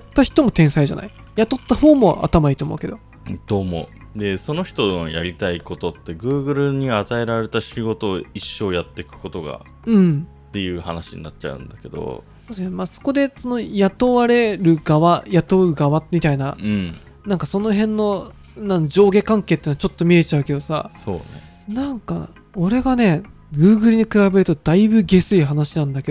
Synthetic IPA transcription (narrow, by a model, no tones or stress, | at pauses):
t̪ːaçi̥t̪o̞mo̞t̪ẽ̞ɰ̃saiʑa̰na̰i | jat̪o̞t̪ːaho̞ːmo̞ʔa̰t̪amaiːt̪omo̞̰ɯ̟ke̞d̪o̞ | t̪o̞ːmo̞ | d̪e̞so̞no̞çi̥t̪o̞noja̰ɾʲit̪aiko̞t̪o̞t̪ːe̞ɡɯ̟ːɡɯ̟ɾɯ̟ɲ̟iat̪ae̞ɾaɾe̞t̪aɕiɡo̞t̪o̞ːiɕːo̞ːjat̪ːe̞kɯ̟̥ko̞t̪o̞ɡa̰ | ɯ̟̃ɴ | t̪ːe̞jɯ̟ːhanaɕḭɲ̟ḭnat͡ɕa̰ɯ̟̰̃nd̪ake̞d̪o̰ | d̪osenmaːso̞̥ko̞d̪e̞so̞no̞jat̪o̞βaɾe̞ɾɯ̟ɡaβajat̪o̞ɯ̟ɡaβamʲit̪ainaɯ̃ɴ | nãŋkaso̞no̞ɦẽ̞nːo̞ | nãnd͡ʑo̞ːɡe̞kãŋke̞ːt̪ːeːnat͡ɕo̞t̪ːo̞mʲie̞t͡ɕaɯ̟ke̞d̪o̞sa̰so̞̰ːnḛ | nãŋka̰ | o̞ɾe̞ɡane̞ | ɡɯ̟ːɡɯ̟ɾɯ̟ɲ̟ikɯ̟ɾabe̞ɾɯ̟t̪o̞d̪aibɯ̟ɡʲe̞sɨiɦanaɕinãnd̪ake̞d̪o